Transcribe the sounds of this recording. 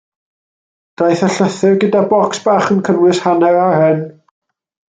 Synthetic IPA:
d̥ajθəɬəθɪrɡədabɔksb̥aːχənkʰənwɪshanɛɾahɛn

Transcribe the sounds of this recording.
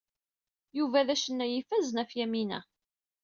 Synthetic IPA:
juvæðæʃənːæjifæznæfjæminæ̰

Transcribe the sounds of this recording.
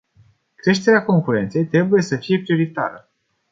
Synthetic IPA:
kɾe̞ʃt̪e̞ɾeako̞ŋkuɾe̞nt̪se̞jt̪ɾe̞buje̞səfije̞pɾio̞ɾit̪a̰ɾə

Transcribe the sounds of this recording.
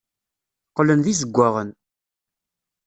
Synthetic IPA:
qlənðiz̬əɡʷːaʁən

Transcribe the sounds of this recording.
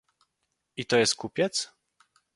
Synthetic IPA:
it̪ɔjɛst̪̚kupʲjɛt̪s

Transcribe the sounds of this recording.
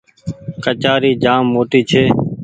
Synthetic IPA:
kət͡ʃaːɾiːd͡ʒaːmːoːʈiːt͡ʃʰeː

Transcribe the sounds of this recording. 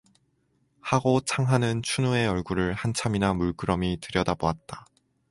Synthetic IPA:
haɡot͡ɕʰaŋɦanɯnt͡ɕʰunue̞ʌɭɡuɾɯɭhant͡ɕʰaminamuɭk͈ɯɾʌmitɯɾjʌdaboat̚t͈a

